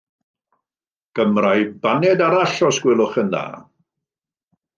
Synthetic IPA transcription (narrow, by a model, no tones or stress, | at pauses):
ɡ̥əmrajbanɛdaɾaɬɔsɡ̥wɪlˠʊχənða̰ː